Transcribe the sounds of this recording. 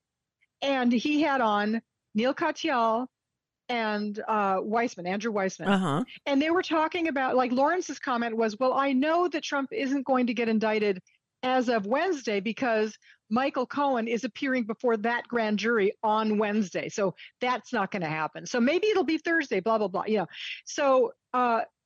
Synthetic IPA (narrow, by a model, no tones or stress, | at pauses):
ɨ̃niɨɾn̩ː | ilˠkʰɑtʰiɑlˠ | ɨ̃nʌwaɪsmɨ̃næ̃ndɹʉwaɪsmɨ̃nʌɨ̃nðeɪwə˞tʰɔkɪ̃ŋɨbaʊt̚laɪklɔɹɨ̃nsɨz̥kʰɑmɛ̃nʔ̚wʌzwɛlˠaɪnoʊðɨtʰɹ̥ʌ̃mpɪzɨ̃n̩ɡ̥oʊɪ̃ŋtɨɡɛɾɨ̃ndaɪɾɨɾ | ɨzʌvwɛ̃nzdeɪbɨkʰʌzmaɪkl̩ˠkʰoʊə̃nɪzɨpʰɪɹɪ̃ŋbəfɔɹðɨt̚ɡ̥ɹæ̃nd͡ʒʊɹiə̃nwɛ̃nzdeɪsoʊðætsnət̚ɡ̥ʌnɨhæ̰pɨ̃nsoʊmeɪbiɨɾl̩ˠbiθɜ˞zdeɪblɑblɑblɑ̰jɨnoʊsoʊ | ʌ